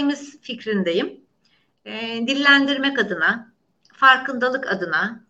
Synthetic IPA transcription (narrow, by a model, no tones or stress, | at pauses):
miz̥ficɾind̪ejɯm | d̪ilʲːænd̪iɾmɛkad̪ɯna | faɾkʰɯnd̪alˠɯka̰d̪ɯna